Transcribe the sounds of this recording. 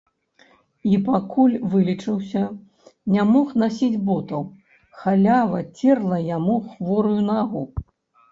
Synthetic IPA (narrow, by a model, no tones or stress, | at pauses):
ipakulʲvɨlʲit͡ʂɨwsʲɐ | nʲamɔxnasʲid͡zʲbɔt̪ɐw | xalʲavɐt͡sʲɛrlˠɐjamuxvɔɾujunaɣu